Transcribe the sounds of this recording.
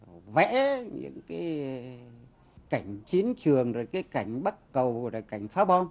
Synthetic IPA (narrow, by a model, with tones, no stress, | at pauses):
vɛ̰˧˥ɲɨ̰˧˥ŋkaː˨˦j | ka˧˩jŋ̟t͡ɕi˨˦ənt͡ɕɨ˨˩əŋzo˨˩jkaː˨˦jka˧˩jŋ̟ɓə˦˥t̚kə˨˩wzo˨˩jka˧˩jŋ̟faː˨˦ɓɔ˧n